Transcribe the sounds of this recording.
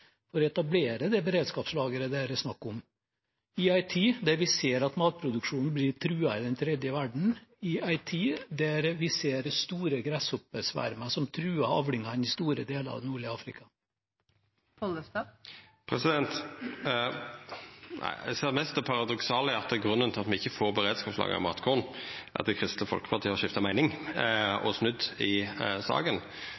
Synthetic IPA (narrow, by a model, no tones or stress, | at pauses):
fɔɾɔɛt̪ɑbleːɾəd̪ɛbəɾeːd̪skɑːpslɑːɡəɾəd̪eːɾəsnɑkːʊm | ɪɑɪt̪ʰiːd̪æɾʋɪseːɾɑt̪mɑːt̪̚pʰɾʊd̪ʉkʂuːnn̩blɪɾt̪ʰɾʉːɑɪd̪ɛnt̪ʰɾɛd̪jəʋæɖɳ̩ɪɑɪt̪ʰiːd̪æɾʋɪseːɾst̪uːɾəɡɾæsɔpəsʋæ̰ɾməsɔmt̪ʰɾʉːɑɑʋlɪŋɑɪnɪst̪uːɾə̰d̪eːləɾɑ̰ʋnuːɭɪɑːfɾɪ̰kʰɑ | pʰɔləst̪ɑpʰʁɛsɪd̪ɛnt̪ | næ̰ɪseːmɛst̪ɛpʰɑʁɑd̪ɔksɑːləɑt̪̚d̪ɛɡʁʉnːənt̪ʰɪlɑt̪mɪçːəfoːʁbəʁeːd̪skɑːpslɑ̰ːɡəɑ̰mɑt̪kʰɔʁnʔɑ̰t̪̚d̪ɛkʰʁɪst̪ləfɔ̰lkə̥pʰɑʁt̪iːəɑʃɪft̪ɑmæɪnɪŋ | ɔ̰snʉd̪ɪsɑ̰ːɡən